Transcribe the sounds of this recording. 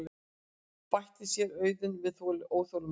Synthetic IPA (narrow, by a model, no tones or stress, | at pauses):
l | pajht̪ɪsjɛɾœːɥðʏnvɪðθolɪʔoːwθowlʏ